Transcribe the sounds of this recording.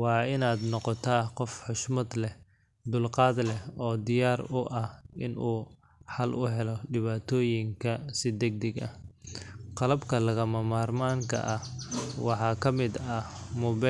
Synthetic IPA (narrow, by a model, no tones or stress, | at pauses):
wɑːɪnaːd̪nɔqɔt̪ʰaːqɔfħʊʃmɐd̪lɛ | d̪ʊlqɑːd̪lɛɔːd̪ɪjaːɾʊʔɐhʔɪnuː | ħɐlʔʊɦɛlɔɖɪβaːt̪ʰɔːjɪŋkʰɐsɪd̪ɛɡ̚d̪ɛɡɐ̰h | qɑlɐbkʰɐlɐɣɐmɐmaːrmaːŋkʰɐ̰ʔɐhwɑħɑːkʰɐmɪd̪ɐmʊβɛ